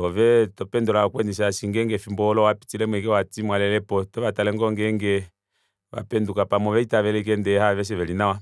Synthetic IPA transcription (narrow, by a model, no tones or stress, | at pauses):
ɔvɛtɔpɛndɔlaakwɛniʃ̬asiŋɡɛŋɡɛfimbɔlɔwapi̥tilɛmwɛkɛwatimwalɛlɛpɔtɔβatalɛŋɡɔŋɡɛŋɡɛ | βa̰pɛndukapamɔʋɛitaʋɛlɛik̬ɛndɛhaʋɛʃ̬ɛʋɛlinawa